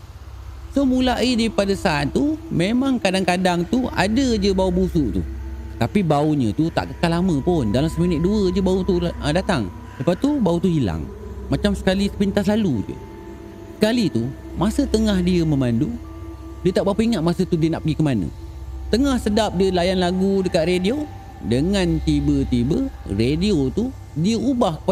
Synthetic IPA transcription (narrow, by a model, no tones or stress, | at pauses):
somulaʔidipadasaat̪ːumemaŋkadaŋkadaŋt̪ua̰dəd͡ʒəbaubusuʔt̪ṵt̪apibauɲə̃t̪ut̪a̰ʔkəkalamə̃pʊndalamsəminɪʔ̪̚duəd͡ʒəbaut̪udat̪aŋ | dəpat̪ubaut̪uhila̰ŋ | mat͡ʃamsə̥kalisəpint̪aslalud͡ʒə̰ | sə̥kalit̪u | masət̪əŋahdiəməmandu | diət̪aʔbapəiŋat̪̚masət̪udiənaʔpəɡikəmanə̰̃t̪əŋahsədap̚diəlajanlaɡudəkat̪̚redio | dəŋãnt̪ibət̪ibərediot̪u | diəubahkəpa